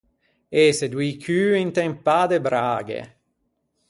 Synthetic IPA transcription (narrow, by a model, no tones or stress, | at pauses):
esed̪wiːkʰyːint̪ɛmpːaːd̪ebɾaːɡḛ